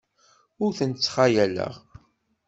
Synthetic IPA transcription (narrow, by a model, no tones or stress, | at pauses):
ʊɾθənt͡sːχajælə̰ʁ